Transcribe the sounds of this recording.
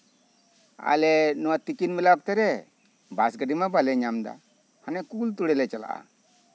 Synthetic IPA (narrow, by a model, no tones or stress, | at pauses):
a̰lɛnɔwat̪ikinmɛlap̚t̪ɛɾɛ | basɡəɖimabalɛɲamd̪a̰ | hanɛkult̪uɽɛlɛt͡ʃala̰ʔa̰